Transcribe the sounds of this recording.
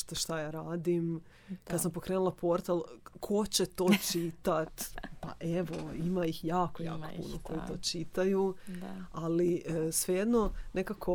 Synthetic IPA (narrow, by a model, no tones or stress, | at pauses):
t̪aʃt̪ajaːɾaːd̪im | kkad̪sampo̞kɾe̞ːnulˠapʰo̞ɾt̪alˠkʰo̞t͡ɕet̪o̞ːt͡ʃit̪at̪pa̰ʔeʋoimaixjaːko̞jaːko̞̥pṵnoko̞jit̪o̞ːt͡ʃit̪aju | alisʋejed̪no̞ne̞kakʰo̞